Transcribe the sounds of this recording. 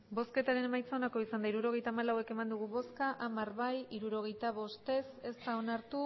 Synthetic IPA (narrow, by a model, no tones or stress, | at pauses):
bo̞ske̞t̪aɾe̞ne̞majt͡saonako̞isand̪aiɾuɾo̞ɣ̞e̞jt̪amalawe̞ke̞mand̪uɣ̞uβo̞skaʔamaɾβajiɾuɾo̞ɣ̞e̞jt̪aβ̞o̞st̪e̞se̞st̪ao̞naɾt̪u